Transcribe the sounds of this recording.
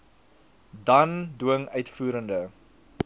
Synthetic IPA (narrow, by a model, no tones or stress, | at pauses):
dɐnduəŋœɥtfuːɾəndə